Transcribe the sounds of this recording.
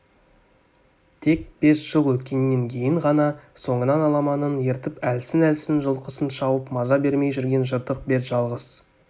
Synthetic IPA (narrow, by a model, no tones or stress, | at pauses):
t̪ʰe̞k̚b̥e̞sʒ̥əlˠwɵt̪kʲe̞nːe̞ŋkʲʰe̞jɪŋʁɑnɑso̞ɴənɑnɑlˠɑmɑnənje̞ɾt̪ɪpælsɪnælsɪnʒəlˠqəsənʃɑwəpmɑzɑbe̞ɾme̞jʒʏɾɡʲe̞nʒəɾd̪əq̚be̞ɾʒ̥ɑlˠʁəz